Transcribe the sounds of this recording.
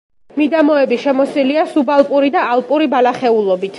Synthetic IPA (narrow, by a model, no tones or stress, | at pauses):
mid̪amɔɛbiʃɛmɔsiliasubalˠpʼuɾid̪aːlˠpʼuɾibalaχɛulˠɔbit̪ʰ